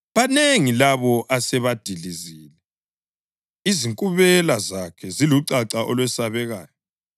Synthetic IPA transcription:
βaneŋilaβɔʔasɛβad̥ʱiɮiziːlɛ | iziŋkʼuβɛlazakʰɛziluǀaǀaʔɔ̰lwɛsaβɛɣa̰ːjɔ

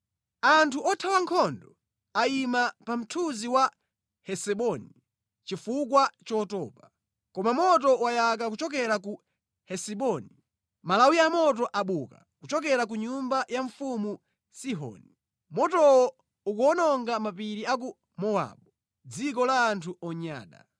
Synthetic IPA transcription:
antʰuɔtʰawaŋkʰɔndɔ | aimapam̩tʰuziwa | hɛsɛɓɔni | t͡ʃifukwat͡ʃɔːtɔ̰ːpa | kɔmamɔt̬ɔwajak̬ak̬ut͡ʃɔk̬ɛɾaku | hɛsɛɓɔni | malawiamɔt̬ɔʔaɓuka | kut͡ʃɔk̬ɛɾak̬uɲumbajaɱfumu | siɦɔ̰ːni | mɔtɔwɔ | ukuɔnɔŋɡamapiɾiak̬u | mɔwa̰ɓu | d͡zikɔlaːntʰuɔɲa̰ːɗa̰

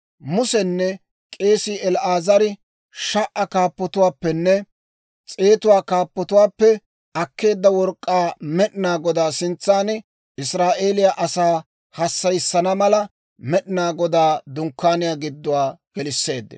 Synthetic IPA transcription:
mʊsɛnːɛ | kʼe̞ːsɪɛlʔaːzɐɾɪ | ʃɐʔɐkaːpːɔt̪ʊwaːpːɛnːɛ | t͡sʼe̞ːt̪ʊwaːkaːpːɔt̪ʊwaːpːɛ | ɐkːe̞ːd̪ːɐwɔɾkʼːaːmɛɗɪnaːɡɔd̪aːsɪnt͡sːaːn | ɪsɾaːʔe̞ːlɪjaʔɐsaː | hɐsːɐjsːɐnɐmɐlɐ | mɛɗɪnaːɡɔd̪aːd̪ʊŋkːaːnɪjaːɡɪd̪ːʊwaːɡ̥ɛlɪsːe̞ːd̪ːɛ̰

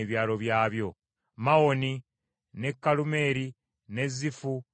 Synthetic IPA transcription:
eβjaːlo̞βjaːβjo̞ | mawo̞ni | ne̞kːalume̞ːɾi | ne̞zifu

